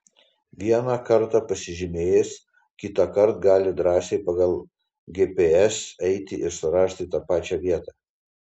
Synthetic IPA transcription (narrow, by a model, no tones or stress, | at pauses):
ʋʲiɛnɑːkɐɾt̪ɑpɐsʲɪʒʲɪmʲeːjɛs | kʲɪt̪ɑkɐɾt̪ɡɑːlʲɪd̪ɾɑːsʲeɪpɐɡɐlˠ | ɡʲeːpʲeːɛsɛɪt̪ʲɪʔɪɾsʊɾɑːʃʲt̪ʲɪt̪ɑpɑːt͡ʃʲɛʋʲiɛt̪ɑː